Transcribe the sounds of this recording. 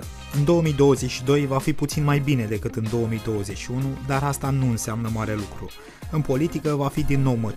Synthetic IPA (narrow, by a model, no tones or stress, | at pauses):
ɨnd̪o̞wəmid̪o̞wəze̞t͡ʃʲʃid̪o̞jvafiput̪sinmajbine̞d̪e̞kɨt̪ɨnd̪o̞woəmid̪o̞wəze̞t͡ʃʲʃiunud̪aɾast̪anuɨnseamnəmaɾe̞lukɾṵ | ɨnpo̞lit̪ikəvafid̪inːo̞wmə